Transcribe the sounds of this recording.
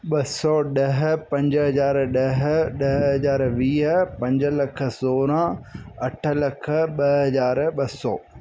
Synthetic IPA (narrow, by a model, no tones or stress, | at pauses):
ɓɐsɔɗɐɦ̆pɐ̃ɲd͡ʑɦɐzaːɾɗɐɦ̆ɗɐɦɦɐzaːɾʋiːɦ̆pɐ̃ɲd͡ʑə̆lɐkʰə̆soːɾãɐʈʰə̆lɐkʰə̆ɓɐɦɐzaːɾɓɐsɔ̰ː